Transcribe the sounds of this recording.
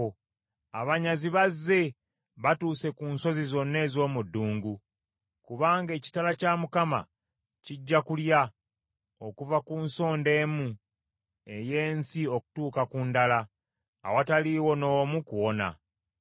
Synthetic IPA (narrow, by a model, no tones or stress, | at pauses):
aβaɲaziβazːe̞ | βatuːse̞kuːnso̞zizo̞nːe̞ːzo̞ːmudːuːŋɡu | kuβaːŋɡe̞ːci̥talacamukama̰ | ciɟːakulja | o̞kuvakuːnso̞ːnde̞ːmu | e̞je̞ːnsio̞ku̥tuːkakundala̰ː | wataliwo̞no̞mukuwo̞na̰